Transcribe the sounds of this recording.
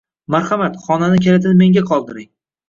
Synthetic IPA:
maɾχamat̪χɒnanɪkʲʰelɪt̪ʰɪnme̞ŋɡʲaqʰɒlˠd̪ɪɾɪŋ

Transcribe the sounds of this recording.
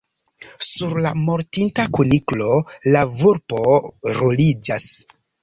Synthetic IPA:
suɾlamo̞ɾtintakuniklo̞lavuɾpo̞ɾolid͡ʒas

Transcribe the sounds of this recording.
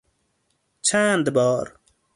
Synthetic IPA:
t͡ɕʰãːnd̪bɑːɾ

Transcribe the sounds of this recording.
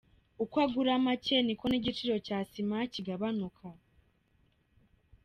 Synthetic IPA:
ukwaɡuɾamace̞niko̞niɟit͡ʃiɾo̞caːsimaciɡaβanukʰa

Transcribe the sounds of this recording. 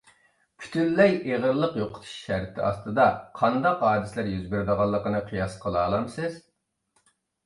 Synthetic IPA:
pʰy̥t̪ʰylːɛjeʁəɾlˠəqjoqʰʊ̥t̪ʰu̥ʃːæɾt̪ʰɪɑ̰st̪ɨd̪ɑqʰɑnd̪ɑqɦɑːd̪ɪslæɾjyzbɪɾd̪əʁɑlˠːəqənɨqʰijɑsqʰəlˠɑːlˠɑmsɨz̥

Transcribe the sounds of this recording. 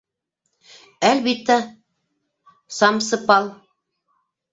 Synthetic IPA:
ælbit̪ːæ | sɑmsɤ̆pɑlˠ

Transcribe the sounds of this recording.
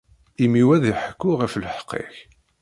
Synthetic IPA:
imiwæðiħə̥kːʊʁəfləħqːɪ̰ç

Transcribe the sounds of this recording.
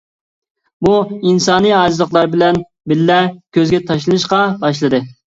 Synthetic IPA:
buinsɑːnɨjɑzlˠəqlˠɑɾbɪlɛn | bɪlːɛkʲøzɡʲɛt̪ʰɑʃlˠɨnɨʃqɑbɑʃ̬lˠɨd̪ɨ

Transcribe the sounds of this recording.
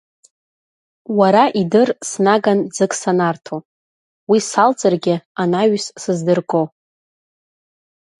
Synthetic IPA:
waɾaʔidɨrsnaɡand͡zɨkʼsanartʰo | wisalt͡sʼarɡʲɪanaɥssɨzdɨrkʼo

